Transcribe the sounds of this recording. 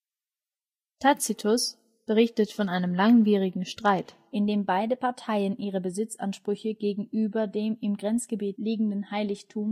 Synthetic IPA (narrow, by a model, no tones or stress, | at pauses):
tʰat͡sitʰʊs | b̥əʁ̞ɪçtətfɔnʔaɪnəmlaŋviːʁ̞ɪɡŋ̩ʃtʁ̥aɪt | ʔɪndeːmbaɪdəpʰaɐtʰaɪənʔiːʁ̞əbəzɪt͡sʔa̰nʃpʁ̥ʏçəɡ̥eːɡŋ̩ʔyːbɐdeːmɪmɡʁɛnt͡sɡ̥əbiːtliːɡŋ̩dənhaɪlɪçtʰuːm